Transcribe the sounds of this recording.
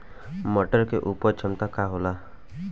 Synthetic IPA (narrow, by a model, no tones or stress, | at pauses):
məʈəɾkeʔupəɾt͡ʃʰəmt̪akaɦola